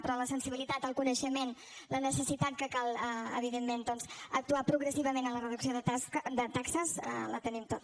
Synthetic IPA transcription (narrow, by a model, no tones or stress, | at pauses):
pɾɔləsənsiβilit̪at̪əlˠkunəʃəmen | lənəsəsit̪at̪̚kəkalˠə̰β̞iðemːend̪ɔnzək̚t̪uapɾuɣɾəsiβəmenənlərəðuksioðəd̪ət̪aksəzə̰lət̪ənimt̪ot̪